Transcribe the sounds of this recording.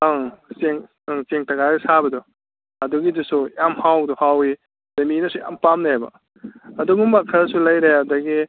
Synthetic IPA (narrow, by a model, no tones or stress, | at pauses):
aŋseŋ | ŋseŋtɐɡajdɐsabɐdɔ | ɐduɡidusujamhawdɔhawi | dɐminɐsuja̰mpamnɐhajbɐ̰ | ɐduɡuŋmakʰɐɾsulɐjɾeɐdɐɡi